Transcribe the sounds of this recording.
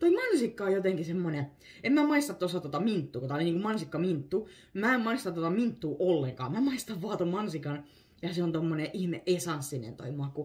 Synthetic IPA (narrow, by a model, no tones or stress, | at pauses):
t̪oimɑnsikːɑojot̪eŋkisemːone | emmæmɑist̪ɑt̪t̪osɑt̪ot̪ɑmint̪ːuːkot̪æːˑoliniːŋkumɑnsikːɑmint̪ːu | mæemmɑist̪ɑt̪ot̪ɑmint̪ːuːʔolːeŋkɑ̰ːmæmɑist̪ɑʋʋɑːt̪ommɑnsikɑn | jɑseont̪omːoneʔihmeʔʔesɑnssinḛnt̪o̰imoɑkku